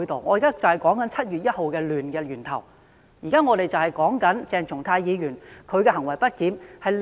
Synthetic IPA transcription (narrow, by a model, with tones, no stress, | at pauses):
jt̪o˨wŋɔː˨˧jiː˨kaː˥t͡sɐ˨˩whɐ˨˩jkɔː˨˥ŋkɐ˨˥nt͡sʰɐ˥t̚jyː˨t̚jɐ˥t̚ho˨wkɛː˧lyː˨nkɛː˧lyː˨˩nt̪ʰɐ̰˨˩w | jiː˨kaː˥ŋɔː˨˧t̪e˨jt͡sɐ˨whɐ˨˩jkɔː˨˥ŋkɐ˨˥nt͡sɛː˨˧ŋt͡sʰʊ˨˩ŋt̪ʰaː˧jjiː˨˧ɥyː˨˩nkʰɵ˨˧ɥkɛ˧ɦɐ˨˩ŋwɐ˨˩jpɐ˥t̚kiː˨˥mhɐ˨jl